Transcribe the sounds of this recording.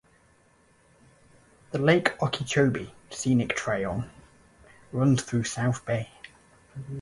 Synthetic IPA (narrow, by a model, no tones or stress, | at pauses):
ðəleɪkʰɒkʰit͡ʃʰəʊbisiːnɪk̚tʰɹ̥eɪə̃n | ɹʌ̃nz̥θɹʉːsaʊθb̥eɪ